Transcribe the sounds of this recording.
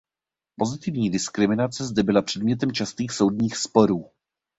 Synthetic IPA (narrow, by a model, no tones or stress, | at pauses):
po̞zɪt̪ɪvɲiːdɪskɾɪmɪnat͡sɛzd̪ɛbɪlapr̝̥ɛd̪mɲɛt̪ɛmt͡ʃast̪iːxso̞wdɲiːxspo̞ɾuː